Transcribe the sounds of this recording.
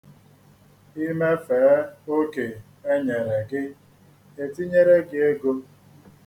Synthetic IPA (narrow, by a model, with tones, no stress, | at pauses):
i˦me˦fe˨˦o˦ke˨ | e˦ɲe˨ɾe˨ɡɪ˦ | e˨ti˦ɲe˦ɾe˦ɡɪ˦e˦ɡo˦